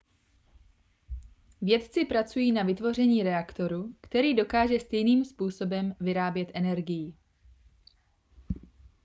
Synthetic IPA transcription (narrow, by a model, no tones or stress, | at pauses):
vjɛt̪t͡sɪpɾat͡sujiːnavɪt̪vo̞r̝ɛɲiːɾɛakt̪o̞ɾukt̪ɛɾiːdo̞kaːʒɛst̪ɛjniːmspuːso̞bɛmvɪɾaːbjɛt̪ʔɛnɛɾɡɪjɪ